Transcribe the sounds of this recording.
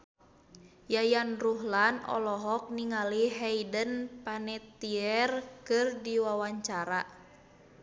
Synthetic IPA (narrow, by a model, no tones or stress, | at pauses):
jajanruɦlanɔ̰lɔɦɔk̚niŋaliɦɛidənpanɛt̪iɛrkɨrdiwawaɲt͡ʃaɾa